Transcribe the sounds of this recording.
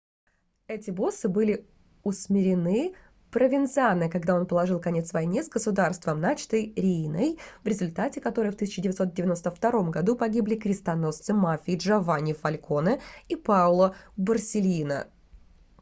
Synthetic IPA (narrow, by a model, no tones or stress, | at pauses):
ɛtʲɪbo̞sɨbɨlʲɪ | ʊsmʲɪɾʲɪnɨ | pɾəvʲɪnt̪sɨanːɨkɐɡd̪ao̞npəlˠɐʐɨlˠkɐnʲe̞t̪svɐjnʲezɡəsʊd̪arst̪vəmnat͡ɕɪ̥t̪əjɾʲinəjvɾʲɪzʊlʲt̪atʲɪkɐt̪o̞ɾɨjft̪ɨsʲɪt͡ɕːɪdʲɪvʲɪt̪so̞t̪̚dʲɪvʲɪno̞st̪əft̪ɐɾo̞mɡɐd̪upɐɡʲiblʲɪkɾʲɪst̪ɐno̞st̪sɨmafʲɪːʐɐvanʲɪfɐlʲko̞nəipalˠəbərsʲɪlʲinə̰